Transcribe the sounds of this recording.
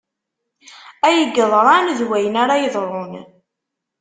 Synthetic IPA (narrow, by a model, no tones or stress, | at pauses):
æjəɡːəðˤɾˤɑnðwæjənaɾajəðˤɾˤon